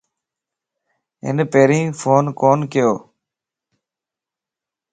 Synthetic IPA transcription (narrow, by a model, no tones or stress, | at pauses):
ɪ̰npeːɾĩːfʰoːnkoːnkɪjoː